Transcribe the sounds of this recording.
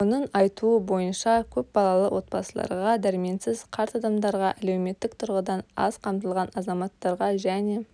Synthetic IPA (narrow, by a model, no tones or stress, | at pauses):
onəɴɑjt̪uəbo̞jənʃɑkʲʰɵp̚bɑlˠɑlˠə̰wʔo̞t̪̚bɑsəlˠɑ̰ɾʁɑd̪æɾɪme̞nsɪzqʰɑɾt̪ɑd̪ɑmd̪ɑɾʁɑʔælewme̞t̪ːɪk̚t̪ʰʊɾʁəd̪ɑnɑ̰zqʰɑmt̪əlˠʁɑnɑzɑmɑt̪ːɑɾʁɑʒæne̞